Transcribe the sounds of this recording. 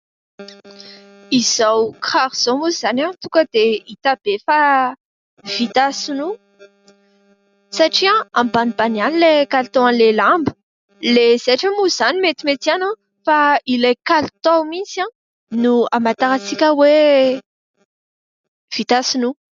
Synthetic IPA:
iz̥awkχaɾiz̥omuzanãt̪ukəd̪̥eit̪ab̥efa | v̥it̪asinu | saʈ͡ʂiãambanibanianilekalt̪oanlelambə̥ | lez̥aʈ͡ʂəmuzanimet̪imet̪iana | failajkalit̪omisiã | nuamat̪aɾat͡sikʲəwe | v̥it̪asinu

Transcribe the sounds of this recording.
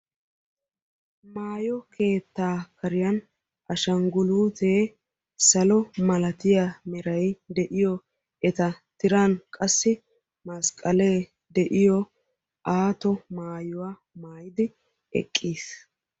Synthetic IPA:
maːjɔkʰe̞ːt̪ːaːkʰɐɾɪjɐn | ʔɐʃɐŋɡʊluːt̪eː | sɐlɔmɐlɐt̪ɪjamɛɾɐjd̪ɛʔɪjɔ | ɛt̪ɐt̪ɪɾaːnkʼɐsːɪ | mɐskʼːɐleː | d̪ɛʔɪjɔ | ʔaːt̪ɔmaːjʊwaː | maːjɪd̪ɪ | ɛ̰kʼːiːs

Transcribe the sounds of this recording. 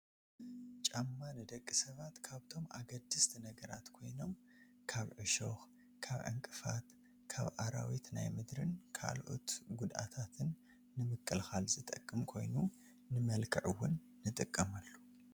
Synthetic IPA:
t͡ʃʼamːanɨd̪ɐkʼːisɐβat̪kʰaβt̪ʰo̞mʔa̰ɡɐd̪ɨst̪ʰnɐɡɐɾa̰t̪kʰo̞jno̞m | kʰaβʕɨʃox | kʰaβʕɨ̰ŋkʼɨfa̰t̪ | kʰaβʔaɾa̰wit̪na̰jmɨd̪ɾɨnkʰa̰lʔo̰t̪ɡud̪ʔa̰t̪ʰat̪ʰɨnː | ɨmɨkʼːɨlxalzɨt̪ʼɐkʼːɨmkʰo̞̰jnu | nɨmɐlkʰɨʕɨwːʊnːɨt̪ʼɨkʼːɐmalːu

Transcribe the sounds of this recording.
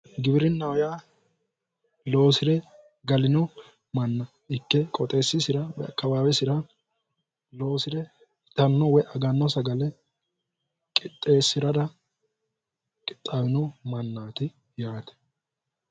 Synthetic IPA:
ɡɪbɪɾɪnːɐwjaː | lo̞ːsɪɾɛ | ɡɐlɪnɔ | mɐnːɐ | ɪkːɛkʼɔt̪ʼe̞ːsːɪsɪɾɐwɛ̰ɐ̰kːɐbaːwɛsɪɾɐ | loːsɪɾɛ | t̪ɐnːɔwɛʔɐɡɐnːɔsɐɡɐlɛ | kʼɪt̪ʼːe̞ːsːɪɾɐd̪ɐ | kʼɪt̪ʼːaːwɪnɔmɐnːaːt̪ɪ | jaːt̪ɛ̥

